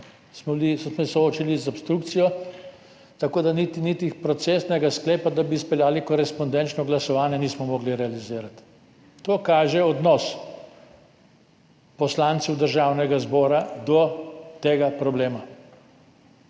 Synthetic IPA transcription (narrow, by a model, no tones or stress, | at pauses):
smɔlismsɔoːt͡ʃilizopst̪ɾukt̪sijɔ | t̪akoːd̪anit̪init̪ixpɾɔt̪sesnɛɡaskleːpad̪abispɛljaːlikɔɾɛspɔnd̪ɛnt͡ʃnɔɡlasɔʋaːnjɛniːsmɔmɔːɡliɾɛaliziːɾat̪ː | oːkaːʒɛɔd̪nɔs | pɔslaːnt̪sɛwd̪əɾʒawnɛɡazbɔːɾad̪ɔt̪eːɡapɾɔbleːma